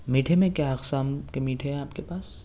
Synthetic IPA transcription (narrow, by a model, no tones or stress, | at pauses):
miːʈʰemẽkjaɐksaːmkemiːʈʰeɦɛ̃aːpkepaːs